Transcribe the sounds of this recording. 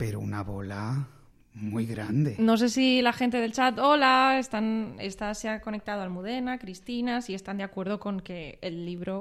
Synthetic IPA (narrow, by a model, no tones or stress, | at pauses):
peɾounaβo̞la | mujɣɾand̪eno̞s̬e̞silaxe̞nt̪e̞ð̞elt͡ʃat̪o̞lae̞st̪ane̞̰st̪aseako̞ne̞k̚t̪að̞o̞almuð̞e̞nakɾist̪inasie̞st̪and̪akwe̞ɾð̞o̞koŋke̞ːlːiβ̞ɾo̞